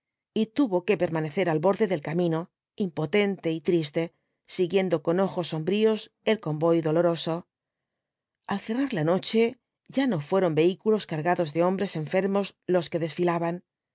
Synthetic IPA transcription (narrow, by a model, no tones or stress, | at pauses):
it̪uβo̞ke̞pe̞ɾmane̞θe̞ɾalβo̞ɾðe̞ðe̞lkamĩno̞ | impo̞t̪e̞nt̪e̞it̪ɾist̪e̞ | siɣje̞nd̪o̞ko̞no̞xo̞sːo̞mbɾio̞s | e̞lko̞mbo̞jðo̞lo̞ɾo̞so̞ | alθe̞raɾlano̞t͡ʃe̞ | ʝano̞fwe̞ɾo̞mbe̞ikulo̞skaɾɣaðo̞zðe̞o̞mbɾe̞se̞ɱfe̞ɾmo̞slo̞ske̞ðe̞sfilaβan